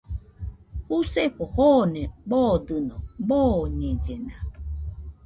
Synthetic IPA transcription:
huseɸɔhoneɡ͡bɔdɨnɔɡ͡bɔɲed͡ʒena

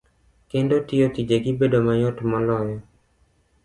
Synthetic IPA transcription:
kendotɪjotid͡ʒeɡibedomajotmɔlɔjɔ

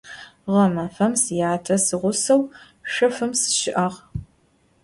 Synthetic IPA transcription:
ʁɐmɐfɐmsjaːtʰɐsɨʁʷʊsɐw | ʂɐfɨmsɨ̥ʃɪʔɐʁ

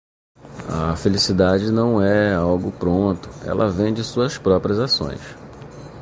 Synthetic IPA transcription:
ɐ̰felisid̪ad͡ʒɪnɐ̃w̃ɛawɡʊpɾõnt̪ʊ̥ɛ̰lʔɐvẽj̃d͡ʒɪsuɐspɾɔpɾiɐzasõ̰j̃s

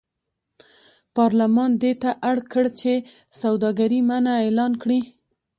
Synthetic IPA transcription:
pɑɾlamɑnd̪et̪aʔaɽkəɽt͡ʃe | sawd̪ɑɡaɾimanaelɑnkɽi

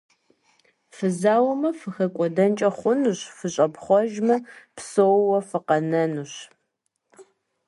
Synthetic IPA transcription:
fɨzaːwɐmɐfɨxɐkʷʼɔdɐnt͡ʃʼɐχʷʊnuɕfɨɕʼɐpχʷɔʒmɐpsowwɐfɨqɐnɐnuɕ

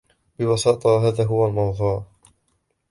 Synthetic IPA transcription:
bɪwɑsɑːt̪ˤɑɦaːðaːɦʊwalmɑnðˤuːɾ

